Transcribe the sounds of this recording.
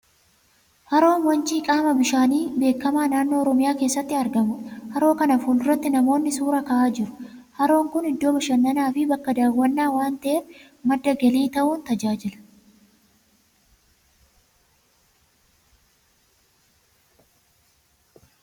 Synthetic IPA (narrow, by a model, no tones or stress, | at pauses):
hɐɾo̞ːnwɐnt͡ʃiːkʼaːmɐbɪʃaːniːbe̞ːkːɐmaːnaːnːo̞ːɾɔmɪjaːke̞ːsːɐt̪ːɪɐɾɡɐmʊhɐɾo̞ːkɐnɐfuːlʊrːɐt̪ːɪnɐmo̞ːnːɪsuːɾɐkɐʔaːd͡ʒɪɾʊ̥hɐɾo̞ːŋkʊnhɪd̪ːo̞ːmɐʃɐnːɐnaːfɪbɐkːɐd̪aːwːɐnːaːwaːnt̪ɐʔeːf | mɐd̪ːɐɡɐliːt̪ɐʔuːnt̪ɐd͡ʒaːd͡ʒɪlɐ̥